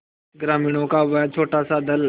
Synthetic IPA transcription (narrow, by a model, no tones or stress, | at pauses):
ɡɾaːmĩːɽ̃õkaʋɛt͡ʃʰoːʈasad̪əl